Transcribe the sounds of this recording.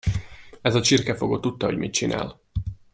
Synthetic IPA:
ɛzɒt͡ʃirkɛfo̞ɡoːt̪ːut̪ːɒɦo̞ɟmit̪̚t͡ʃina̰ːl

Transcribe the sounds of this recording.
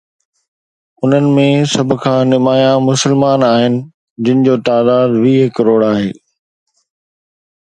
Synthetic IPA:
ʊn̤ənɪ̆mẽsɐbʱʊ̆kʰãːnɪmaːjãmʊsəlmaːnaːɦɪnɪ̆ | d͡ʑɪnɪ̆d͡ʑoːt̪aːd̪aːd̪ʋiːɦɪkɐɾoːɽaːɦeː

